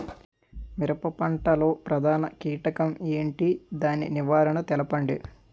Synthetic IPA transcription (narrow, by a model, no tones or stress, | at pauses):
miɾɐpɐpɐɳʈɐlo̞ːpɾɐd̪ʱaːnɐkiːʈɐkɐmeːɳʈid̪aːnḭniʋaːɾɐɳɐt̪ɛlɐpɐɳɖḛ